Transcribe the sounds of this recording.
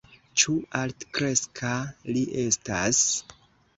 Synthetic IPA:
t͡ʃualtkɾe̞skʰaliʔe̞stas

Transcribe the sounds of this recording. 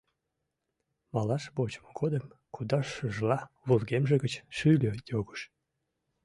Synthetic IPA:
mɑlɑʃbot͡ɕə̥moɡod̪əm | kud̪ɑʃyʒlɑ | βulɣemʒeɣət͡ɕʃylʲøjoɣə̥ʃ

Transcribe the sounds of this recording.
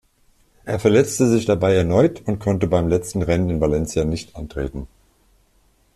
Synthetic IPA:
ʔeːɐfɛɐlɛt͡stəzɪçd̥abaɪɛɐnɔʏtʰʊntkʰɔntəbaɪmlɛt͡stn̩ʁɛnənɪnvalɛnt͡sjanɪçtʔantʁ̥ḛːtn̩

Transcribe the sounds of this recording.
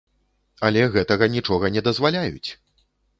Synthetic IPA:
ɐlʲɛɣɛt̪ɐɣɐnʲit͡ʂɔɣɐnʲɛd̪ɐzvalʲajut͡sʲ

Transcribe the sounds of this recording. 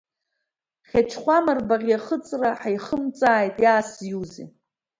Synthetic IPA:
χʲat͡ʃʰχʷamarbaʁʲjaχət͡sʼraħajχəmt͡sʼaːjtʼjaːsjuzḭ

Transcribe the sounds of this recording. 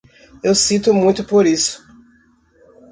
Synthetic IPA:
ewsit̪ʊmũj̃t̪ʊpoɾisʊ̥

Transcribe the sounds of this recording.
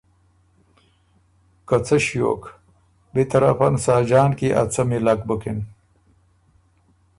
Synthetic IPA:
kɐt͡sʰɐɕjo̰ːk | bet̪ɐɾafɐnsaːd͡ʑaːnkiʔɐ̰t͡sɐmilak̚bukin

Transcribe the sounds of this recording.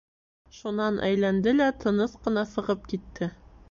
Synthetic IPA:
ʃunɑnʔæ̰jlænd̪ɘlæt̪ʰɤ̆nɤsqɤ̆nɑsɤ̆ʁɤp̚kit̪ːɘ

